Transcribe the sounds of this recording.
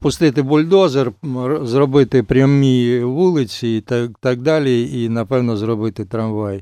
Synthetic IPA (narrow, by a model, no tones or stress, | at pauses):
pʊst̪ɪt̪ɪbʊlʲd̪ozɐrzrɔbɪt̪ɪpɾʲɐmiʋulˠɪt͡sʲit̪t̪aɡ̚d̪alʲijɛinɐpɛwnɔzrɔbɪt̪ɪt̪ɾɐnʋaj